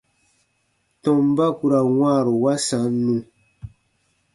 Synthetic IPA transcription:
tɔ̃˨m˦ba˦ku˧ɾa˨wwãː˦˨ɾu˨wa˦sã˨˦nː˦ũ˧

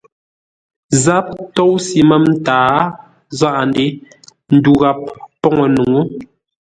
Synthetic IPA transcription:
za˦p̚tɔ˦wsi˨mɛ˦mn˦taː˨˦ | za˦ʔa˨n˦de˦ | n̩˦du˦˨ɣa˨p̚pːɔ˦ŋɔ˨nu˨ŋu˦

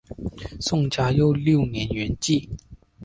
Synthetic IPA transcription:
sʊ˥˨ŋt͡ɕja˥jo˥˧ʊljo˥˩ʊnjɛ˧˥nɥɛ˧˥nt͡ɕi˥˨

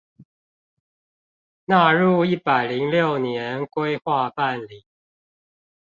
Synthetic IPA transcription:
na˥˧ɻu˥˧i˥˩pa˨˩ɪli˨˦ŋljo˥˩ʊnjɛ˧˦nkwe˥ɪxwa˥˧pa˥˨nli˨˩˦

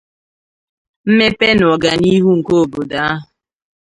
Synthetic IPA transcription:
m̩˦me˦pe˦n˨ɔ˨ɡa˨ni˦ɦu˦ŋ̩˨ko˦o˨bo˨da˨˦ɦʊ˨

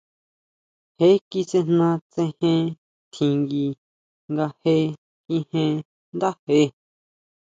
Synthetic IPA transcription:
he˦ki˧t͡sẽ˧nnã˧t͡sẽ˧hẽ˧ | t̪ʰĩ˨ŋɡi˧ | ŋɡa˧he˧˦ | ki˧hẽ˧ | nd̪a˦he˧˦

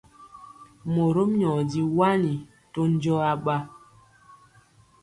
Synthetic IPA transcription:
mo˨ɾo˦m˦ɲɔ˨di˦wa˦ni˨ | to˦n˦d͡ʒɔ˦a˦ɓa˦

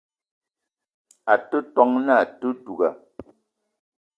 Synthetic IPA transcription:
a˨tə˦tɔ˦ŋna˦˨tə˦tu˨ɡa˨

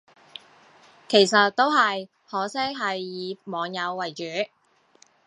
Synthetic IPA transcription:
kʰe˨˩jsɐ˨t̚t̪o˥wɦɐ˨j | hɔː˨˥sɛː˥ŋɦɐ˨jːiː˨˧mɔː˨˧ŋjɐ˨˧wːɐ˨˩jt͡ʃyː˨˥

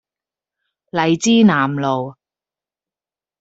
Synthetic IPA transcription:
lɐ˨˧jt͡siː˥naː˨˩mlo˨˩w

